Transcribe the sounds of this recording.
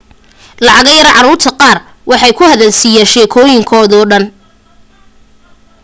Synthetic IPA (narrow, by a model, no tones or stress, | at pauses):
lɑʕɑɣɐjɐɾʕɑɾuːrt̪ʰɐqɑːr | wʔɑħɑjkʰʊhɐðɐlsijaːnʃɛːkʰɔːjɪŋkʰɔːðɔːɖɐn